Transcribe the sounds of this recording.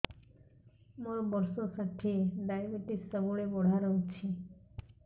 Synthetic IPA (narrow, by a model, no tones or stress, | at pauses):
moɾbɔɾsokʰat̪ʰeɖajbeʈisɔɡoɽebɔɽ̤ʱaɾɔɦut͡ɕʰe